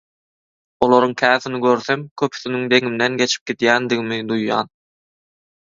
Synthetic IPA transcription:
olˠoɾuŋkʲʰæːθiniɡø̞ɾθemkʲʰøpʰy̥θinyŋd̪e̞ŋimd̪enɡe̞t͡ʃʰi̥p̚ɡid̪jæːnd̪iɣimid̪ujːɑ̰ːn

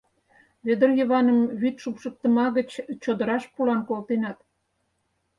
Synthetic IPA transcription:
βed̪ərjə̆βɑnəmβyt̪ʃupʃək̚t̪ə̆mɑɣət͡ɕt͡ɕod̪ə̆ɾɑʃpulɑnkolt̪enɑt̪

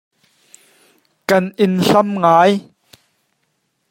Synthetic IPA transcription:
kɐnʔɪnɬɐmŋaːj

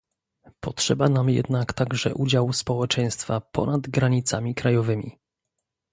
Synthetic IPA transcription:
pɔtʂɛbanamjɛ̰d̪nakt̪aɡʐɛʔud͡ʑawspɔwɛt͡ʂɛj̃st̪fapɔ̰nad̪ɡɾaɲit̪samʲikɾajɔvɘmʲḭ

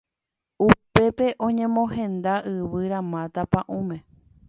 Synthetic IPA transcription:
upe̞pe̞ʔõ̞ɲẽ̞mõɦẽ̞nd̪aʔɨʋɨɾãmãt̪apãʔũmẽ̞

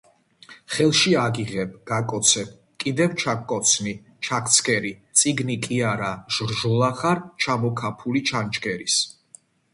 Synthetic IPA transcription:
χɛlˠʃiaɡiʁɛbɡ̥akʼɔt̪sʰɛb | kʼid̪ɛvt͡ʃʰakʼːɔt̪sʰni | t͡ʃʰak̚t̪sʰkʰʼɛɾit̪sʼiɡnikʼiaɾaʒ̥ɾʒɔlˠaχaɾt͡ʃʰamɔkʰapʰulit͡ʃʰant͡ʃʼɡɛɾis

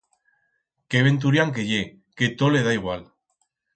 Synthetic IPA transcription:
keβe̞nt̪̬uɾjaŋk̬e̞ʝe | ket̪ole̞ð̞aiɣ̞wal

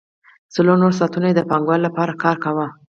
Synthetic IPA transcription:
t͡səlonoɾs̬ɑt̪unajed̪əpɑŋɡwɑllapɑɾakɑɾkawa

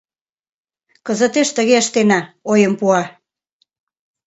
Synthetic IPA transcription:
kəzət̪eʃt̪əɣeəʃt̪enɑojəmpuɑ

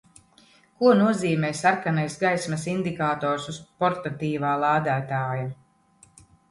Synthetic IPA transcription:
kuɔnuɔziːmɛːsaɾkanajsɡajsmɐsind̪ikaːt̪ɔːɾsuzpɔɾt̪at̪iːvaːlˠaːd̪aːt̪aːja

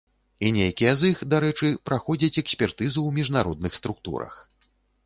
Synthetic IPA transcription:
inʲejakʲijɛzixd̪aɾɛt͡ʂɨpɾaxɔd͡zʲɐt͡sʲɛksʲpʲɛrt̪ɨzuwmʲiʐnaɾɔ̰d̪̚nɨxst̪ɾukt̪ṵɾɐ̰x

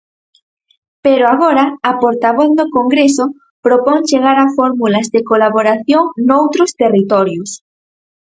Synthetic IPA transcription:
peɾoaɣoɾaːpoɾt̪aβɔθðokoŋɡɾeso | pɾopoŋt͡ʃeɣaɾafɔɾmulazðekolaβoɾaθjoŋnowt̪ɾʊst̪erit̪ɔɾjʊs

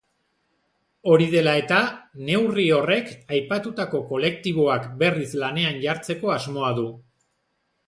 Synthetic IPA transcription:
o̞ɾið̞e̞lae̞t̪ane̞wrio̞re̞kajpat̪ut̪ako̞ko̞le̞k̚t̪iβ̞o̞akbe̞rislane̞anʝaɾt͡se̞ko̞azmo̞aðu

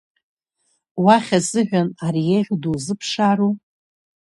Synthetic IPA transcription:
waχʲazɨʒᶣʷanaɾijeʁʲduzɨpʰʂaɾu

